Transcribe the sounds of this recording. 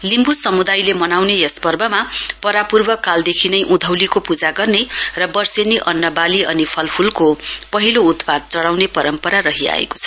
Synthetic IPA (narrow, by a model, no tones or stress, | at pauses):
limbusʌmud̪ajlemʌnawnejʌspʌrbʌmapʌɾapurbʌkald̪ekʰinʌjʔud̪ʱʌwlikopud͡zaɡʌrnerʌbʌrseniʔʌnːʌbaliʔʌnipʰʌlpʰulkopʌɦilout̪pad̪̚t͡sʌɽawnepʌɾʌmpʌɾaɾʌɦia̰ḛko̥t͡sʰʌ